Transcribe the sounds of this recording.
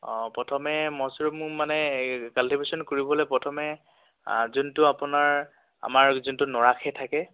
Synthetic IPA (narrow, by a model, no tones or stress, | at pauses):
ɔ̃pɹɔtʰɔmɛmɔsɹumʊmanɛkaltibʱesɔnkoɹibɔlɔjpɔtʰɔmɛ | zuntʊapʊnaɹ | a̰maɹzuntʊnɔɹakʰɛtʰakɛ